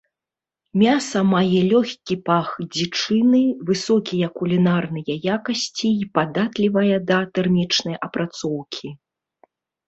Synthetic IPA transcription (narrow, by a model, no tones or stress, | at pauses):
mʲasɐmajɛlʲɔxʲkʲipaxd͡zʲit͡ʂɨnɨvɨsɔkʲijɐkulʲinarnɨjɐjakɐsʲt͡sʲiːpad̪at̪lʲivɐjɐd̪ɐt̪ɛrmʲit͡ʂnɐjʔɐpɾat̪sɔwkʲʰi